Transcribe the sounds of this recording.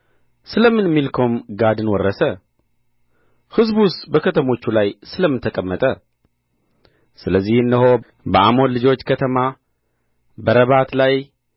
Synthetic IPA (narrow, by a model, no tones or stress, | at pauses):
sɨləmɨnmːilkʰəwumɡad̪ɨnwɔrːəsə | hɨzbust̪bəkʰət̪ʰəmo̞t͡ʃːulajsɨləmːɨnt̪ʰəkʼəmːət̪ʼə | sɨləzːihɨndəho̞ | bəʔamo̞nlɨd͡ʒo̞t͡ʃːkʰət̪ʰəma | bəɾəβat̪laj